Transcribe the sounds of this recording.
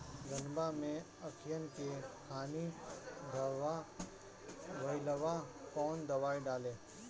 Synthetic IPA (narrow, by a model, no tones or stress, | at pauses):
ɡənbamẽ | əkʰɪjənkekʰaːnid̪əa | ʋəɪləʋakɔːnd̪ɐʋaːiɖaːlẽː